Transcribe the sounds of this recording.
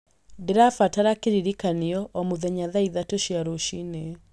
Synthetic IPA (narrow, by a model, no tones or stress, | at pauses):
ndeɾafataɾakeɾiɾikaniɔʔɔmoðɛɲaðaiðatoʃiaɾoʃine